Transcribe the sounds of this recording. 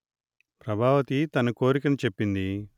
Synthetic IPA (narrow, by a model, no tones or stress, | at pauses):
pɾɐbʱaːʋɐt̪it̪ɐnɐko̞ːɾikɐnit͡ʃe̞pːind̪i